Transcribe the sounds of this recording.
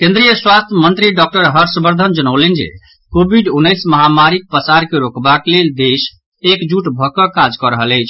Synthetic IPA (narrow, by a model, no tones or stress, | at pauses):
kẽnd̪ɾijəswast̪ʰjəmənt̪ɾiɖɔk̚ʈəɾɦəɾsbəɾd̪ʱənd͡ʒənəlend͡ʒḛ | kobʱiɖunːəjsməɦamaɾik̚pəsaɾkeɾokbakleld̪es | ekd͡ʒuʈbʱɔkəkad͡ʒkəɾəɦələjt͡ʃʰ